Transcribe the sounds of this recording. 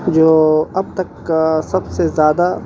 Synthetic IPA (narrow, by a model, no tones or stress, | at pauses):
d͡ʒoːɐb̚t̪ɐksɐbsezjaːd̪a